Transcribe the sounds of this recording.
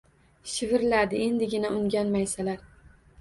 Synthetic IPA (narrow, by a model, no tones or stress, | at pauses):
ʃɪvɪɾlad̪ɪe̞nd̪ɪɡʲɪnaʔʊŋɡʲanmajsalaɾ